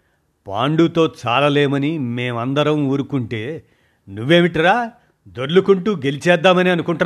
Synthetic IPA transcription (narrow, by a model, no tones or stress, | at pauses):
pa̰ːɳɖut̪o̞ːt͡ʃaːlɐleːmɐnime̞ːmɐnd̪ɐɾɐmuːɾukuɳʈe̞ː | nuʋːe̞ːmiʈiɾaː | d̪oɽlukuɳʈuɡe̞lit͡ʃɛːd̪ːaːmɐniɐnukuɳʈ